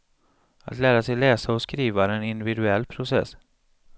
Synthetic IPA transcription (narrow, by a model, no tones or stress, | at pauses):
a̰t̪læːɾasɛjlɛːsaɔskɾiːvaɾɛnɪnd̪ɪvɪd̪ɵɛlːpʰɾʊsɛ̰sː